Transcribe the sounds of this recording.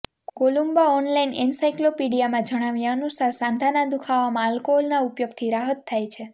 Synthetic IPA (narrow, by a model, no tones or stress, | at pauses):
kolumbaɔnlaininsajklopiɽijamãd͡ʒəɽ̃aʋjãənusaɾsãnd̪ʱanad̪ukʰaʋamãəlkoolnaupjoɡt̪ʰiɾaɦət̪ʰːajt͡ʃʰe